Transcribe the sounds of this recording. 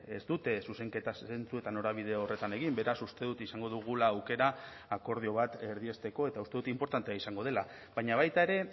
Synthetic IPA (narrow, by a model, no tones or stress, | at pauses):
e̞̰zd̪ut̪e̞suse̞ŋke̞t̪ase̞nt͡sue̞t̪ano̞ɾaβ̞ið̞e̞ore̞t̪ane̞ɣimbe̞ɾasust̪e̞ðut̪isaŋɡo̞ðuɣulaːwke̞ɾaː | ko̞ɾð̞io̞β̞at̪e̞ɾðie̞st̪e̞ko̞e̞t̪aust̪e̞ut̪impo̞ɾt̪ant̪eaisaŋɡo̞ð̞e̞la | βaɲaβ̞ajt̪ae̞ɾe̞